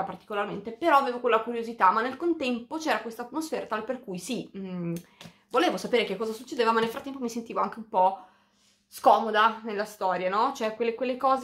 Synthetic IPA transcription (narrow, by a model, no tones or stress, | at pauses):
apart̪i̥kolarment̪epeɾɔaveːvokwelːakuɾjozit̪amːanːelkont̪ɛmpot͡ʃɛːɾakwest̪at̪ːmosfɛːɾat̪aleperkujsi | voleːvosapeːɾekekːɔːzasut͡ʃːed̪eːvamanːelfɾat̪ːɛmpomisent̪iːvoaŋk̟eumpɔ | skɔːmod̪anelːast̪ɔːɾjanɔt͡ʃoɛkwelːekwelːekɔːz